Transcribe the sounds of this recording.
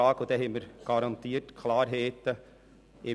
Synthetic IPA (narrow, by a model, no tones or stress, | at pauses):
ɑːɡod̥̪ɛɦɛməɾɡ̥ɑɾɑnt̪iːətkʰlɑːɾɦeːt̪ə | ɪ